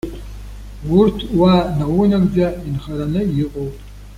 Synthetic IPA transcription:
wurtʰwanawunaɡd͡zainχaɾanɨjiqʼowpʼ

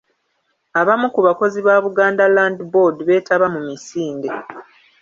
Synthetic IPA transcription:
aβamukuβako̞ziβaːβuɡaːndalaːndibo̞dβe̞ːtaβamumisiːnde̞

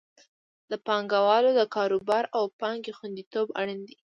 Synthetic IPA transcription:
d̪əpɑŋɡawɑlod̪əkɑɾobɑɾawpɑŋɡexwand̪it̪oba̰ɽənd̪i

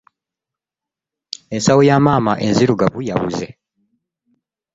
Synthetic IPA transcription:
ensawujamaːmaʔenziɾuɡaβujawuzḛ

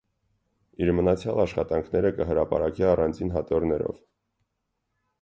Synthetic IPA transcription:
iɾmənɑt͡sʰjɑlɑʃχɑt̪ɑŋkʰnɛɾəkəɦəɾɑpɑ̰ɾɑkiɑrɑnd͡zʰinɦɑt̪ɔɾnɛɾɔ̰v

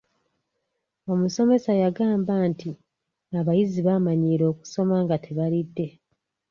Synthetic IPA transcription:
o̞muso̞me̞sajaɡaːmbanti | aβajiziβamaɲiːɾo̞ːku̥so̞maŋɡatʰe̞βalidːe̞

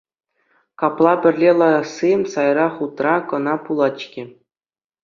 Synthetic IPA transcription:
kɑplˠɑbʲɘ̆rʲlʲelˠɑɑsːisɑjɾɑχut̪rɑkɤ̆nɑpulˠɑt͡ɕkʲĕ

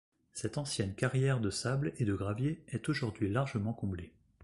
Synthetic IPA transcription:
sɛt̪ɑ̃sjɛnkaʁjɛʁd̪əsabled̪əɡʁavjeɛt̪oʒuʁd̪ɥilaʁʒəmɑ̃kɔ̃ble

